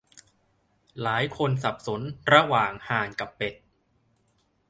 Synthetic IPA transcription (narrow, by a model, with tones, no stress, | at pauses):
laː˩˦jkʰo˧nsa˨˩p̚so˩˦nɾa˧waː˨˩ŋhaː˨˩nka˨˩pːe˨˩t̪̚